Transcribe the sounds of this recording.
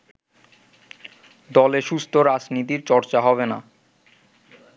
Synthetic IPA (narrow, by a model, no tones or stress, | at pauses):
d̪ɔleʃust̪ʰoɾad͡ʑnit̪iɾt͡ɕɔɾt͡ɕaɦɔβena̰